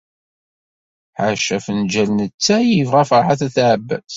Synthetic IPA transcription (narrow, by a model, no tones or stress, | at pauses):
ħəɾʃæfənd͡ʒælnət͡sːæjivʁæfəħaθæθʕəbːæ̰θ